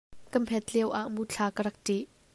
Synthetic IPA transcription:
kəmpʰɛt̪̚liəwʔaʔmut͡ɬʰaːkəɾɐk̚tiʔ

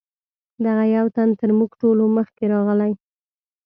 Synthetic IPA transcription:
d̪aɣajawt̪ant̪əɾmuɡʈoloməxkeɾɑɣəlaj

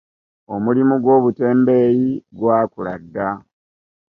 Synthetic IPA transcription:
o̞mulimuɡwo̞ːβute̞ːmbe̞jiɡwaːkula̰dːa

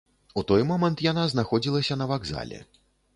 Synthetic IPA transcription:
ut̪ɔjmɔmɛnt̪janaznaxɔd͡zʲilˠɐsʲɐnɐvaɡza̰lʲɛ̰

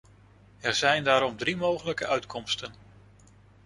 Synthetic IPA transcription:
ɛɹzɛjndaːɾɔmdrimowχələkəʔœɥtkʰɔmstən

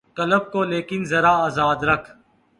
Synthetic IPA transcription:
kɐləb̚koːleːkɪnzɐɾaːaːzaːd̪ɾɐkʰ

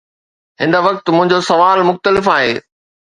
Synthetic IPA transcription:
ɦɪ̃nəʋɐk̚t̪mʊ̃ɦɪ̃ɲd͡ʑosɐʋaːlmʊxt̪əlɪfaːɦeː

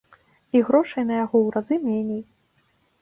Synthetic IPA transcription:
iɣɾɔʂɐjnɐjaɣɔwɾazɨmʲenʲej

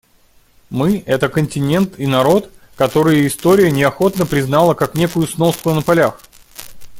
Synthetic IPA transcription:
mɨɛt̪əkənʲtʲɪnʲe̞nt̪inɐɾo̞t̪ | kɐt̪o̞ɾɨjɪst̪o̞ɾʲɪjənʲɪɐxo̞t̪nəpɾʲɪznalˠəkaknʲe̞kʊjʊsnoskʊnəpalʲax

